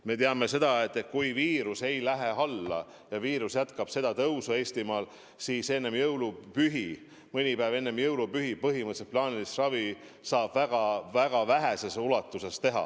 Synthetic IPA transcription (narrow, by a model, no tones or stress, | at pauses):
me̞t̪eɑme̞se̞d̪̥ɑe̞t̪ːˑet̪̚kujviːɾuse̞jlæɦe̞ɑlːɑ̰ | jɑviːɾusjæt̪kɑb̥se̞d̪ɑt̪ɤwsue̞ːsʲt̪imɑːl | siːse̞nːe̞mjɤwlupyɦi | mɤnʲipæːve̞nːe̞mjɤwlupyɦipɤɦimɤt̪set̪̚plɑːnʲilisrɑvi | sɑːb̥væɡ̥ɑvæɡ̥ɑvæɦese̞sulɑt̪ːˑuse̞st̪e̞ɦɑ̰